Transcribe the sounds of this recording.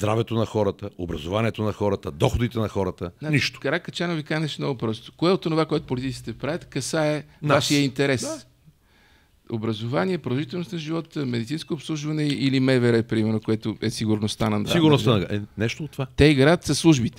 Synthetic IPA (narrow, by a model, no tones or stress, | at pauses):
zd̪ɾavɛt̪onɐxɔɾət̪əobɾɐzovaniɛt̪onɐxɔɾət̪əd̪ɔxod̪it̪ɛnɐxɔɾət̪əniʃt̪o̥kɐɾakɐt͡ʃanovikanɛʃmnɔɡʊpɾɔst̪ʊ̥koɛot̪onovakoɛt̪ʊ̥polʲit̪it̪i̥t̪ɛpɾavʲjət̪kɐsaɛvaʃijəint̪ɛɾɛs | obɾɐzovaniɛpɾod̪ˠɐʒit̪ɛlˠnosnɐʒivɔt̪əmɛd̪it̪sinskoːpslˠuʒvɐnɛilimɛvɛɾɛpɾimɛɾnokoɛt̪ʊʔɛsiɡʊɾnost̪anɐnsiɡʊɾnossanɡaɛnɛʃt̪oːt̪ːvat̪ɛiɡɾajət̪zɐslˠuʒbit̪ɛ̥